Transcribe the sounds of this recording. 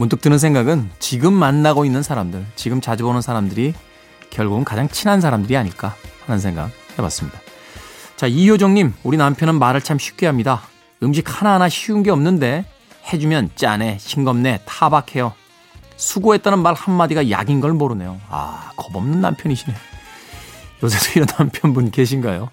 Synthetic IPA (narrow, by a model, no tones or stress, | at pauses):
munt͈ʰɯk̚t͈ɯnɯns̬ʰeŋɡaɡɯnt͡ɕiɡɯmːanːaɡoinːɯnsʰaɾamdɯɭt͡ɕiɡɯmt͡ɕad͡ʑibonɯnsʰaɾamdɯɾi | kjʌɭɡuɡɯnkad͡ʑaŋt͡ɕʰinansʰaɾamdɯɾiaɲiɭk͈ahanɯns̬ʰe̞ŋɡa̰k̚he̞ba̰s͈ɯmɲid̥a | t͡ɕaiçjod͡ʑʌŋɲimuɾinampʰjʌnɯnmaɾɯɭt͡ɕʰamɕʰi̥p̚k͈eɦamɲida | ɯmɕ̬ʰik̚hananaɕʰiunɡe̞ʌmnɯnde̞ | he̞d͡ʑumjʌnt͡ɕ͈ane̞ɕʰiŋɡʌmne̞tʰabakʰe̞jo | sʰuɡoe̞t͈anɯnmaɭhanːad͡ʑiɡaja̰ɡinɡʌɭmʌɾɯne̞joa̰kʌbʌmnɯnːa̰mpʰjʌniɕʰine | jʌs̬ʰesʰʌiɾʌnampʰjʌnbunke̞ɕ̬ʰinɡajo